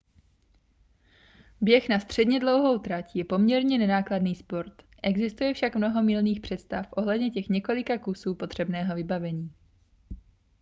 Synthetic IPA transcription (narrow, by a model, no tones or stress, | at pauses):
bjɛxnast̪r̝̥ɛdɲɛdlo̞wɦowt̪ɾacjɛpo̞mɲɛɾɲɛnɛnaːkladniːspo̞ɾt̪ | ʔɛɡzɪst̪ujɛfʃakmno̞ɦo̞mɪlniːxpr̝̥ɛt̪st̪afʔo̞ɦlɛdɲɛcɛxɲɛko̞lɪkakusuːpo̞t̪r̥ɛbnɛːɦo̞vɪbavɛɲiː